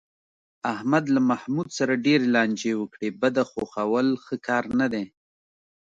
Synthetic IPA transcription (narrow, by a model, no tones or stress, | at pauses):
ahmad̪lamahmud̪saɾaɖeɾelɑnd͡ʒewəkɽebad̪axoxawəlxəkɑɾnad̪e